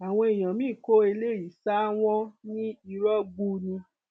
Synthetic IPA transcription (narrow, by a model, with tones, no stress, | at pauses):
a˨w̃ɔ̃˧i˨j̃ã˨mĩ˦˨ko˦e˧le˦˨ji˨sa˦w̃ɔ̃˦nĩ˦i˧ɾɔ˦ɡ͡bu˧nĩ˧